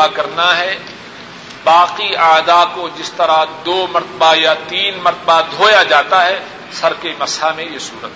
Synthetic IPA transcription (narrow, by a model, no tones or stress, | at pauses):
akɐɾnaɦɛ | baːqiaːd̪akod͡ʒɪst̪ɐɾad̪oːmɐɾt̪əbajat̪iːnmɐɾt̪əbad̪ʱoːjad͡ʒaːt̪aɦɛ | sɐɾkemɐshamẽjesuːɾət̪